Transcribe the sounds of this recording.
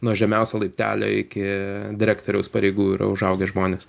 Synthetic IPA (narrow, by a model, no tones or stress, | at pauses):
nuɔʒʲɛmʲɛʊsʲolˠɐɪpʲt̪ʲæ̰ːlʲo̰ːɪkʲɪd̪ʲɪɾʲæːkt̪oːɾʲɛʊspɐɾʲɛɪɡuːɪɾɐ̰ʊʒɐʊɡʲɛʒmoːnʲes